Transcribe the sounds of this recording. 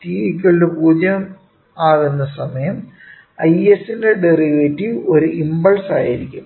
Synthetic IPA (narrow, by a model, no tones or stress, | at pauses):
tiikʲːuɭlupuːd͡ʑjɐm | aːʋenːɐsɐmɐjɐm | ɐjesinde̞ɖeriʋetːio̞ɾuʔimbɐɭsaːjiɾikʲːum